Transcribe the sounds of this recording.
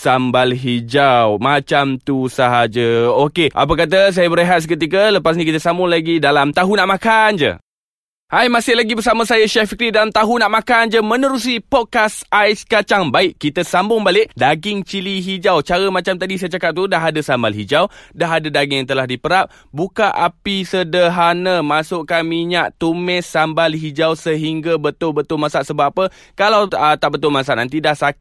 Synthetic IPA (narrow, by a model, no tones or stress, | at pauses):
sambalɦid͡ʒawmat͡ʃamt̪usəɦad͡ʒaokeʔa̰p̬ak̬at̪̬as̬ajabəɾeɦat̪̚səkət̪ikələpas̬nĩk̬it̪əsambʊŋlaɡidalamt̪aɦunaʔmãkand͡ʒə̰ | hajmasɪhlaɡibərs̬amə̃sajaʃɛhfikɾidalamt̪aɦunaʔmãkand͡ʒəmə̃nəɾus̬ipɔt̚kasajskat͡ʃaŋbaɪʔkit̪asambʊŋbalɪʔdaɡɪŋt͡ʃiliɦid͡ʒawt͡ʃaɾəmãt͡ʃamt̪adisajəd͡ʒakap̚t̪udaɦadəsambalɦid͡ʒawdaɦadədaɡɪŋjaŋt̪əlahdipəɾap̚ | bukaʔapisədəɦanəmasʊʔkanmiɲaʔt̪umɛsambalɦid͡ʒawsəɦiŋɡabət̪ʊlbət̪ʊlmasaʔsəbaapə | kalawət̪aʔbət̪ʊlmas̬aʔna̰nt̪idaʔsak